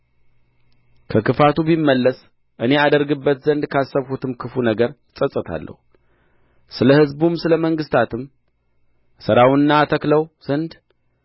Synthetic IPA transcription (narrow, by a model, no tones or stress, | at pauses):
kʰəkɨfat̪ubimːəlːəs | ʔɨne̞ad̪əɾɡɨbːət̪zənd̪kʰasːəβhut̪ʰɨmkʰɨfunəɡəɾɨsʼəsʼɨt̪ʰa̰lːʔə̰hu | sɨləhɨzbumsɨləməŋɡɨst̪ʰat̪ʰɨm | sɨɾawɨnːat̪ʰəkləwz̥ənd̪